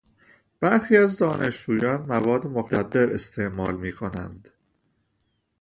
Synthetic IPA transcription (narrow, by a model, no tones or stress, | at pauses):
b̥æɾxiːæzd̪ɒːnʔe̞ʃd͡ʒuːjɒːnmævɒːd̪ːemoɡt̪ʰæd̪ːe̞ɾe̞st̪ʰe̞ʔmɒːlmiːkʰo̞næ̰nd̪̥